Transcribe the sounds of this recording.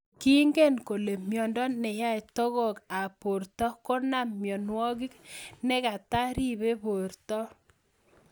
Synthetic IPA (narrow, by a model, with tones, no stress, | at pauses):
ki˦ŋɡe˦˨nko˨le˨mjɔ˨ndɔ˦nɛ˨ja˦˨tɔ˦ɣɔ˦˨ka˨po˨ɾtɔ˦ko˦na˨mjɔ˨nwɔ˦ki˦knɛ˦ka˨ta˦ɾi˦βe˦po˨rtɔ˦